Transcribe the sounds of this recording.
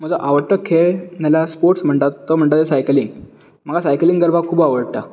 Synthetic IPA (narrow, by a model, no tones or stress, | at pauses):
m̤əd͡zɔʔaʋəɽ̚t̪əkʰːenalaspoɾʈsm̤əɳʈ̪at̪ːɔm̤əɳʈ̪at̪esajkliŋɡ | m̤əɡasajkliŋɡəɾbakʰuːbaʋəɽ̚t̪a